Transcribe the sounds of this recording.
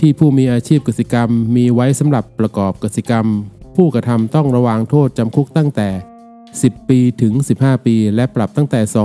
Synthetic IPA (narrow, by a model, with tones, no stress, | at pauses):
t̪ʰiː˥˩pʰuː˥˩miː˧ʔaː˧t͡ɕʰiː˥˩p̚ka˨˩si˨˩ka˧mːiː˧wa˦˥jsa˩˦mɾa˨˩pːɾa˧kɔː˨˩p̚ka˨t̪̚si˨˩ka˧mpʰuː˥˩kɾa˧t̪ʰa˧mt̪ɔ˥˩ŋɾa˧waː˧ŋt̪ʰoː˥˩t̪̚t͡ɕa˧mkʰu˦˥k̚t̪a˥˩ŋt̪ɛː˨˩ | si˨˩pːiː˧t̪ʰɯ˩˦ŋsi˨˩p̚haː˥˩piː˧lɛ˦˥pɾa˨˩p̚t̪a˥˩ŋt̪ɛː˨˩sɔː˩˦